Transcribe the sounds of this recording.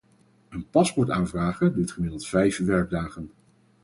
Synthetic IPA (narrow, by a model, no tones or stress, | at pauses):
ənpɑspɔɹtaːnvraːχədutχəmɪdəlˠtfɛjfʋɛɹɡ̚daːχən